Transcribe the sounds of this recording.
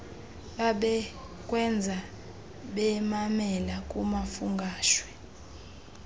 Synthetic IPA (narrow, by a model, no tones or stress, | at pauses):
ɓaɓɛ | kʼwɛnd͡zʱa | ɓɛmamɛlakʼumafuŋɡʱaːʃwɛ